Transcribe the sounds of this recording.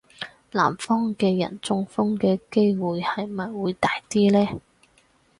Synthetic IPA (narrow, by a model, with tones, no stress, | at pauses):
la̰ː˨˩mfɔː˥ŋkɛː˧jɐ̰˨˩nt͡sʊ˧ŋfʊ˥ŋkɛː˧ke˥jwuː˨jhɐ˨jmɐ˨jwuː˨˧jt̪aː˨jt̪iː˥lɛː˥